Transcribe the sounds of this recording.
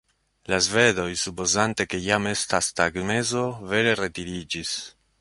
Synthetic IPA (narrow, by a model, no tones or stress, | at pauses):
lazve̞do̞jsupo̞zante̞ke̞jame̞stastaɡme̞zo̞ve̞ɾe̞ɾe̞tiɾid͡ʒis